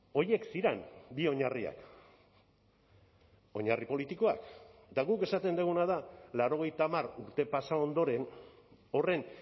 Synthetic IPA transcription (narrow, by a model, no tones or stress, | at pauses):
o̞je̞ksiɾambio̞ɲaria̰k | o̞ɲaripo̞lit̪iko̞akd̪aɣuke̞sat̪e̞nd̪eɣ̞unað̞alaɾo̞ɣ̞e̞jt̪amaɾuɾt̪e̞pasao̞nd̪o̞ɾe̞n | o̞re̞n